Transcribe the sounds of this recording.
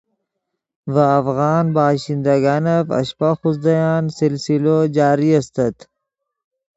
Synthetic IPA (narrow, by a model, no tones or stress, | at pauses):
ʋaːfɣɑːnbaːɕind̪ɐɡanɐfɐ̰ɕpaxusd̪ɐjaːnsilsilod͡ʑaːɾiɐst̪ɐt̪